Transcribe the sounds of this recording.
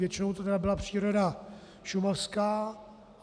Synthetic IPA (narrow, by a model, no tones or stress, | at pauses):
jɛt͡ʃɪno̞wt̪ot̪ɛdabɪlapr̥iːɾoda | ʃumafskaː